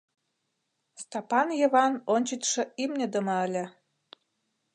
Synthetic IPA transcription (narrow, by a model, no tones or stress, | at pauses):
st̪ɑpɑnjĕβɑnonʲt͡ɕit̪ʲʃɤ̆imnʲə̆d̪ə̆mɤəlʲĕ